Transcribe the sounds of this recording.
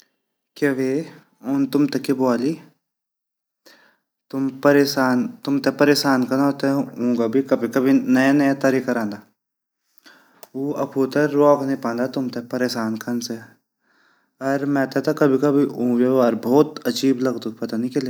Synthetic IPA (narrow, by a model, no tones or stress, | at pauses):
keʋeː | ʊnt̪ʊmt̪ekeboaːliː | t̪ʊmpɐɾeːʃaːnt̪ʊmt̪epɐɾeːʃaːnkɐnt̪ɛũːɡabʱikɐbʱikɐbʱinɐjanɐjat̪ɐɾiːkaɾãːnd̪aː | uɐpʰuːt̪eɾɔːkʰnẽpãːnd̪at̪ʊmt̪epɐɾeːʃaːnkʰɐnse | ɐɾmɛ̃ːt̪ɛt̪ɐkɐbʱikɐbʱiũʋeaːɾbʱɔːt̪ɐd͡ʒiːblɐɡd̪upɐt̪anikele